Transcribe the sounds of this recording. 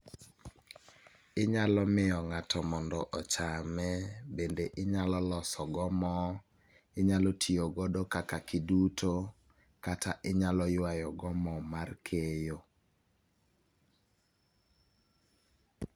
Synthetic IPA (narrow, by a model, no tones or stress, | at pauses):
ɪɲalɔmɪɔŋatɔmɔndɔʔɔt͡ʃamɛbendeʔɪɲalɔlɔsɔɡɔmɔ | ɪɲalɔtʰioɡɔdokakakidutʰo | kataʔɪɲalɔjʊwajɔɡɔmɔmarkʰejo